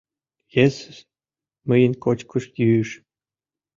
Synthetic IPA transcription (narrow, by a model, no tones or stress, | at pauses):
jes | məjə̆nkot͡ɕkʰuʃjyːʃ